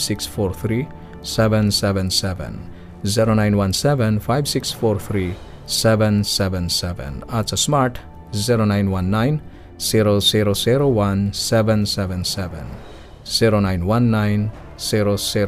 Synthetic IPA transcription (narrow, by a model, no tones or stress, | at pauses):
siksfoɾt̪ʰɾi | sɛʋɛ̃nsɛʋɛ̃nsɛʋɛ̰̃n | ziɾonajnwansɛʋɛ̃nfʰajbsiksfoɾt̪ʰɾi | sɛʋɛ̃nsɛʋɛ̃nsɛʋɛ̰̃nat͡ʃʰasmaɾʈ | ziɾonajnwanːajn | z̥iɾoziɾosiɾowansɛʋɛ̃nsɛʋɛnsɛʋɛ̰̃n | z̥iɾonajnwanːajn | z̥iɾosi